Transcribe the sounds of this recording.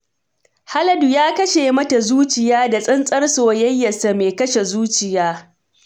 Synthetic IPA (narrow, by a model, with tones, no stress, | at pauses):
ha˦lɐ˦du˨jaː˦kɐ˦ʃeː˨mɐ˦ta˨zuː˦t͡ʃɪ˨jaː˦da˨sʼɪ˦nsʼɐ˦rsoː˨jɐ˦jːɐ˨sa˨meː˨kɐ˦ʃe˨zuː˦t͡ʃɪ˨jaː˦